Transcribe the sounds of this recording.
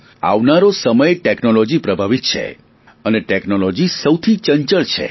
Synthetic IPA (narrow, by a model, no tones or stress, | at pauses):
a̰ʋnaɾosəməjʈeknolɔd͡ʒipɾəbʱaʋit̪̚t͡ʃʰḛ | əneʈeknolɔd͡ʒisəwt̪ʰit͡ʃəɲt͡ʃəɭt͡ʃʰḛ